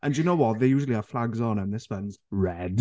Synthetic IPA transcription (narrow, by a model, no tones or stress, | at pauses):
ʔə̃njənoʊwɒʔðejʉːʒəlˠiəflaɡznə̃nðɪswə̃nzɹɛd̥